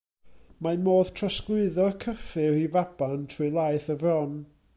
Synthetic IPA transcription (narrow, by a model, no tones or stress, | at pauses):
mamoːðtʰrəsklˠʊɨðɔrkʰəfɨɾivab̥antʰruɨlˠajθəvrɔn